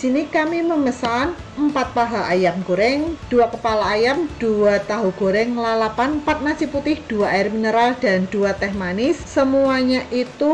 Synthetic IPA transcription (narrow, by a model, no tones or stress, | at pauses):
disinikamiməməsan | əmpat̪̚paɦaʔajamɡ̥oɾɛŋd̥uakəpalaːjamd̥uat̪aɦuɡ̥oɾɛŋlalapanpat̪̚nat͡ʃiput̪ɪhd̥uaaɪrminəɾald̥and̥uat̪ɛɦmanɪsːəmuaɲaʔit̪u